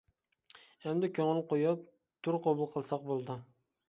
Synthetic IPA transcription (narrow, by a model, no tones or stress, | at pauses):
æmd̪ɪkʲʰɵŋɪlˠqojɑp̚ | t̪ʰʊɾqʰobʊlˠqʰɨlˠsɑq̚bolˠd̪ɪ